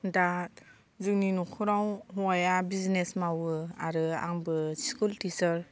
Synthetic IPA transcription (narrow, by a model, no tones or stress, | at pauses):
da | zɯkninukʰɯɾawɦuajabiznesmawɯaɾɯa̰ŋbɯskultisɯɾ